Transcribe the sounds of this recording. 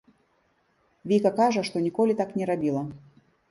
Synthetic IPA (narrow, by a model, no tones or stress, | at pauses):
vʲikɐkaʐɐʂt̪ɔnʲikɔlʲit̪aknʲɛɾabʲilˠɐ